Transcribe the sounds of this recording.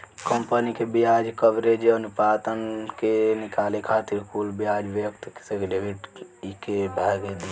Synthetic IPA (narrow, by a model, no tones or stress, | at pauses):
kəmpənikebijad͡ʒkəbɾed͡ʒənupad̪ənkenikalekʰat̪iɾkulbijad͡ʒʋekt̪ki̥seɖebiʈikebʱaɡed̪i